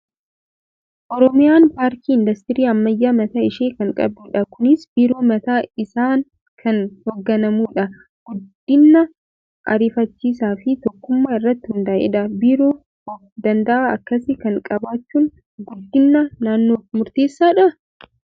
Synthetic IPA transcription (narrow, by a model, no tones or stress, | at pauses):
ʔɔɾɔmɪjaːnpaːɾt̪iːɪnd̪ɐst̪ɪɾiːɐmːɐjːaːmɐt̪aːɪʃeːkɐŋkʼɐ̰buːᶑɐkʊnɪsbiːɾo̞ːmɐt̪aːɪsaːn | kʰɐnhɔɡːɐnɐmuːᶑɐ | ɡ̥ʊd̪ːɪnːɐ | ʔɐ̰ɾɪfɐt͡ʃːiːs̬aːfɪt̪ɔkːʊmːaːɪrːɐt̪ːɪhʊnd̪ɐːʔɛ̰ᶑɐbiːɾoː | ɔfd̪ɐnd̪ɐʔaːɐkːɐsɪkɐŋkʼɐbaːt͡ʃːuːn | ɡʊd̪ːɪnːɐnaːnːoːmʊɾt̪e̞ːsːaːᶑɐ